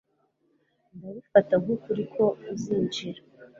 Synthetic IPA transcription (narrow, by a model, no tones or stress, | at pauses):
ndaβufataŋukuɾikʰo̞uziːɲd͡ʒiɾa